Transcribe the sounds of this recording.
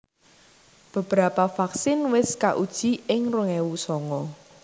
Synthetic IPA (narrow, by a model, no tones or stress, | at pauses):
b̥ə̤b̥ɾapafaksɪnwɪskaʔud̥ʒ̥i̤ɪŋruŋɛwusɔŋɔ